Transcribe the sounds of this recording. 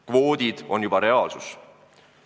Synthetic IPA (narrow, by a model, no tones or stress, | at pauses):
kvo̞ːd̪̥id̪̥o̞njubɑɾe̞ɑːlsus